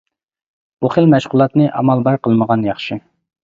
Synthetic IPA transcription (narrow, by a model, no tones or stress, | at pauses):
b̥uχəlmɛʃʁʊlˠɑt̪nɨʔɑ̰mɑlˠbɑɾqəlˠməʁɑnjɑχʃɨ